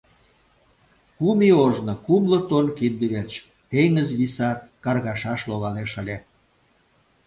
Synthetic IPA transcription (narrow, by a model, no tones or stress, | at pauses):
kumioʒnokumlɤ̆t̪onkind̪əβert͡ɕ | t̪eŋəzβisɑkɑrɣɑʃɑʃloɣɑleʃəlʲe